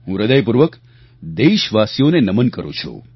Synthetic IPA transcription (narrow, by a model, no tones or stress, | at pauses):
ɦũɾəd̪əjpuɾʋək | d̪eʃʋasijonenəmənkəɾṵ̃t͡ʃʰṵ